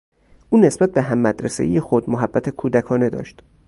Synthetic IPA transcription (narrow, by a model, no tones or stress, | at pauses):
ʔuːne̞sb̥æt̪̚be̞ɦæmːæd̪ɾesḛijexod̪moɦæbːæt̪ʰekʰuːd̪ækʰɒːne̞d̪ɒ̰ːʃt̪